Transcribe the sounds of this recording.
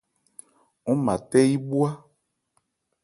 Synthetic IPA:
ŋɔ˦mã˨t̪ɛ˦ji˦bu˦a˦

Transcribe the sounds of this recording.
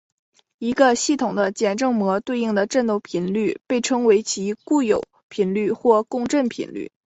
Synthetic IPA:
i˧˥ɡə˧ɕi˥˩t̪ʰʊ˨˩ŋd̪ə˦t͡ɕjɛ˨˩nʈ͡ʂɤ˥˩ŋmwɔ˧˥t̪we˥˧ɪi˥˩ŋd̪ə˩ʈ͡ʂə˥˧nt̪o˥˩ʊpʰi˧˥nly˥˧pe˥˩ɪʈ͡ʂʰɤ˥ŋwe˧˥ɪt͡ɕʰi˧˥ku˥˩jo˨˩˦ʊ | pʰi˧˥nly˥˧xwɔ˥˧kʊ˥˧ŋʈ͡ʂə˥˩npʰḭ˧˩˥nly̰˥˩

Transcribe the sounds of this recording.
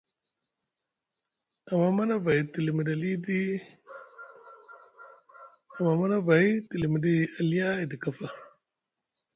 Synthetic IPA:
a˨ma˨ma˦na˦va˨ji˨ti˨li˨mi˨da˨li˦di˦ | a˨ma˨ma˦na˦va˨ji˦ti˨li˨mi˨di˦˨a˨li˦ja˦i˨di˨ka˨fa˦

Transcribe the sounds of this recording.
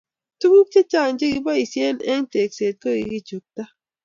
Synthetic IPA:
tu˦ku˦k̚t͡ʃe˦t͡ʃa˦˨n̩˦d͡ʒe˦ki˦bɔ˦i˨sje˦nḛ˦ŋ̩˦te˨kse˨t̚kə˦˨ḭ˨˦ɡi˦t͡ʃo˨k̚ta˦

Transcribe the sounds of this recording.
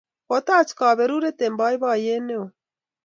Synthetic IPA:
ɔt̪a˦t͡skaː˨βɛ˨ɾu˦ɾɛt̪ɛmba˦jβa˦jɛ˦nɛ˦o

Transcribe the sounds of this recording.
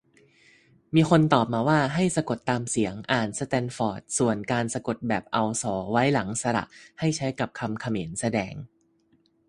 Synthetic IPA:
miː˧xʰo˧nt̪ɔː˨˩p̚maː˧waː˥˩ɦa˥˩jsa˧ko˨˩t̪ːaː˧msi˩˦əŋʔaː˨˩nsa˧t̪ɛː˧nfɔː˨˩t̪̚su˨˩ənkaː˧nsa˧ko˨˩t̪̚bɛː˨˩p̚ʔa˧wsɔː˩˦wa˦˥jla˩˦ŋsa˧ɾa̰˨˩ʔha˥˩jt͡ɕʰa˦˥jka˨˩p̚kʰa˧mkʰa˧meː˩˦nsa˧dɛː˧ŋ

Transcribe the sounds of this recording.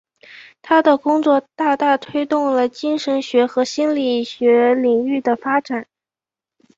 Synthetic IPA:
t̪ʰa˥d̪ə˨kʊ˥ŋt͡swɔ˥˧t̪a˥˧t̪a˥˩t̪ʰwe˥ɪt̪ʊ˥˩ŋlə˩t͡ɕi˥nʂə˧˥nɕɥɛ˧˥xɤ˧˥ɕi˥nli˨˩ɕɥɛ˧˥li˨˩ŋy˥˩d̪ə˩fa˥ʈ͡ʂa˨˩˦n

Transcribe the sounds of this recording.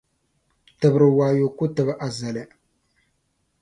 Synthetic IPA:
tɨ˨bɾɨ˨waː˨jo˨ku˦tɨ˨bʔa˨za˨lɨ˨

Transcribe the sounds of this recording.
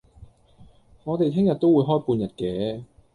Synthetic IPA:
ŋɔː˨˧t̪e˨jt̪ʰɪ˥ŋjɐ˨t̪̚o˥wuː˨˧jɦɔː˥jpuː˧njɐ˨˩t̚kɛː˨˥

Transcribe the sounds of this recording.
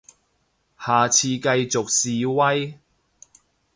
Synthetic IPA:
haː˨t͡sʰiː˧kɐ˧jt͡sʊ˨k̚siː˨wɐ˥j

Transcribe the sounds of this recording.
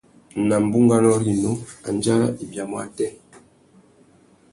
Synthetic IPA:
na˨m˨bu˦ŋɡa˦nɔ˦li˦˨no˦a˨n˦d͡ʒa˦la̰˦i˨bja˨mɔ˦a˦˨tɛ˦

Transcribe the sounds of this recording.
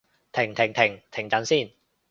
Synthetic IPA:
t̪ʰɪ˨˩ŋt̪ʰɪ˨˩ŋt̪ʰɪ˨˩ŋt̪ʰɪ˨˩ŋt͡sɐ˨˥nsiː˥˩n

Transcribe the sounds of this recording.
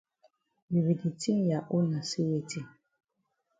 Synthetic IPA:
bi˨βi˨di˨ti˦ŋja˨ʔu˦na˨si˦we˨ti˦

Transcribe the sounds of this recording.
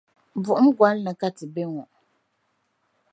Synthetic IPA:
bʊ˨ʔʊ˦m˦ɡwa˨˦lna˨ka˦tɪ˨bɛ˦ŋɔ˨ʔ

